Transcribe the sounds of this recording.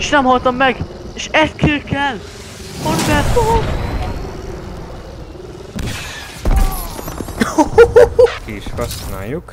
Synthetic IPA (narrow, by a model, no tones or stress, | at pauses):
eʃnɛmhɒlt̪ɒmːɛɡ | eʃɛst̪̚køːkɛl | horɡaːt̪o | kiiʃhɒsna̰ːjuk